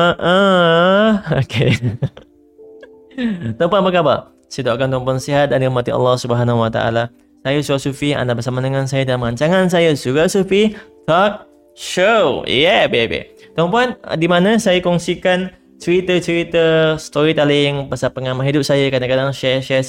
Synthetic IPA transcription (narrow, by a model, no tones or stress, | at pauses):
əʔə | okʰe | t̪ɔmpanpəkaba | sadaʔakant̪ɔmp̬ɔnsiɦat̪̚danɾamat̪ia̰lːɑhsubəɦanaɦuwat̪a̰a̰la | sajəsuɾasufia̰ndabəsamadəŋansajədalamŋaɲt͡ʃaŋans̬ajəsuɾasufit̪ɔk̚ | ʃojɛbebḛt̪ɔmpan̰dimanə̃sajəkɔŋsikan | t͡ʃəɾit̪ət͡ʃəɾit̪əst̪oɾit̪alɪŋpasapəŋamãɦidʊp̚sajəkadaŋkadaŋʃɛʃɛs